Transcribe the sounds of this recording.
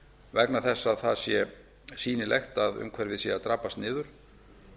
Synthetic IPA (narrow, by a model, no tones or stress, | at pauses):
vɛknaθɛsːaðθaðsjɛ | siːnɪlʔejxt̪aðʏ̰mkʰvɛɾvɪðsjɛat̪ɾaːpast̪nɪːðʏɾ̥